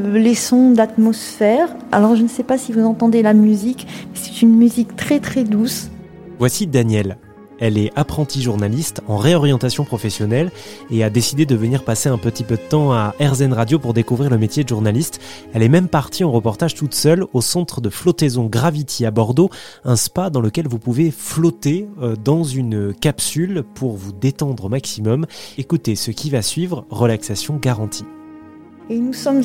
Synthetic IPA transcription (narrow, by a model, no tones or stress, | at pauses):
lesɔ̃d̪at̪mɔsfɛʁa̰lɔʁʒənəsɛpasivuzɑ̃t̪ɑ̃d̪elamyzikmɛsɛ̥t̪ynmyzikt̪χɛt̪χɛd̪us | vwasid̪anjɛl | ɛlɛapχɑ̃t̪iʒuʁnalist̪ɑ̃ʁeɔʁjɑ̃t̪asjɔ̃pχɔfɛsjɔnɛl | ead̪esid̪ed̪əvəniʁpaseɛ̃pət̪ipød̪ət̪ɑ̃aʔɛʁzɛnʁad̪jopuʁd̪ekuvʁiʁləmet̪jed̪ʒuʁnalist̪ | ɛlɛmɛmpaʁt̪iɑ̃ʁəpɔʁt̪aʒ̥t̪ut̪sœlosɑ̃t̪χəd̪əflɔt̪ezɔ̃ɡʁavit̪ʰiabɔʁd̪oɛ̃spad̪ɑ̃ləkʲɛlvupuveflɔt̪ed̪ɑ̃zynkapsylpʰuʁvud̪et̪ɑ̃d̪ʁəmaksimɔmekut̪esəkʲivasɥivʁʁəlaksasjɔ̃ɡaʁɑ̃t̪ʰi | enusɔm